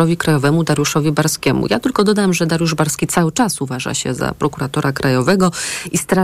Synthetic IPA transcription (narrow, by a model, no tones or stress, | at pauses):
ɔvʲikɾajɔvɛmud̪aɾjuʂɔvʲibaɾskʲɛmṵjat̪ɘlkɔd̪ɔd̪amʐɛd̪aɾjuʐbaɾskʲit̪sawɘt͡ʂasuvaʐa̰ɕɛ̰za̰pɾɔkuɾat̪ɔɾakɾʔajɔvɛɡɔist̪ɾa